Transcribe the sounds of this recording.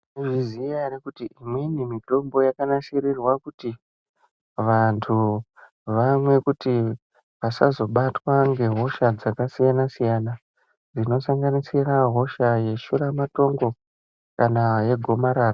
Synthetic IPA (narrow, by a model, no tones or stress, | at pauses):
iʐizijaɾekutiʔimwinimito̞mbo̞jakanaʃirirwakuti | ʋantʰu | ʋamwe̞kuti | ʋasazo̞ɓatwaŋɡe̞ɦo̞ʃad͡zakasijanasijana | d͡zino̞saŋɡanisiraɦo̞ʃaje̞ʃuɾamato̞ŋɡo̞ | kanaje̞ɡʱo̞maɾaːra